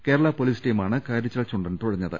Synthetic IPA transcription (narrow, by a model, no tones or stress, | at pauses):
ke̞ːɾɐɭapoliːsʈiːmaːɳɨkaːɾɐt͡ɕːɐɭt͡ɕːuɳɖent̪uɻɐɲːɐðɨ̰